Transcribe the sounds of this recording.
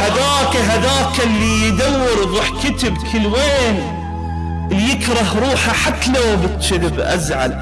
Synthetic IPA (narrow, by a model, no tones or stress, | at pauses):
haðaːkaɦaðaːkalːijd̪awːɪɾɾˤuːħkɪt̪ɪbkʰɪlweːn | jɪkɾˤɑɦɾˤuːħaħat̪ːalawbɪt̪ʃɪdɪbʔa̰zʕa̰l